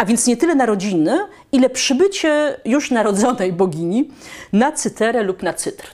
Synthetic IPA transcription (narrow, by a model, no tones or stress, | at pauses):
avʲjɛnt̪sɲɛt̪ɘlɛnaɾɔd͡ʑinɘ | ilɛpʂɘbɘt͡ɕɛjuʂnaɾɔd̪zɔnɛjbɔɡʲiɲinat̪sɘt̪ɛɾɛlupnat̪sɘt̪ɾ